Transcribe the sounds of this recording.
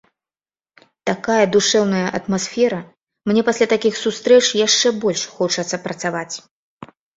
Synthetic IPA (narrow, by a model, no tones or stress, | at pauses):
t̪akajɐd̪uʂɛwnɐjɐʔɐt̪masfʲɛɾɐ | mnʲɛpasʲlʲat̪akʲixsust̪ɾɛt͡ʂjaʂt͡ʂɛbɔlʲʂxɔt͡ʂɐt̪sːɐpɾɐt̪savat͡sʲ